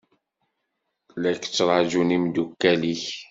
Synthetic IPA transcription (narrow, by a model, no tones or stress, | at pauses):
lækt͡sːɾˤɑʒunimd̪ukːæliç